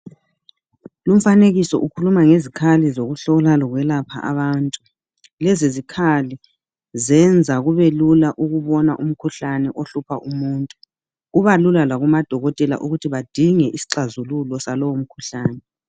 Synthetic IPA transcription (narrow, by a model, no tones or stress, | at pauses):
lum̩faneɣisɔ̰ʔukʰulumaŋezikʰalizoɣuɬɔɣɔlalɔɣwɛlapʰa̰ʔa̰βaːntʼu | lɛzizikʰali | zɛnd͡zʱaɣuβelulaʔuɣuβɔnaʔum̩kʰuɬanɛʔoɬupʰa̰ʔumuːntʼu | uβalulalaɣumad̥ʱɔɣɔtʼɛla̰ʔuɣutʰiβad̥ʱiŋɛʔisi̥ǁazululɔsalɔwom̩kʰu̥ɬaːnɛ